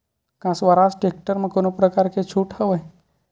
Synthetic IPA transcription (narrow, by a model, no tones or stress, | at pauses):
kãsʋaɾasʈek̚ʈəɾmãkonopɾəkaɾket͡ʃʰuʈhəʋəj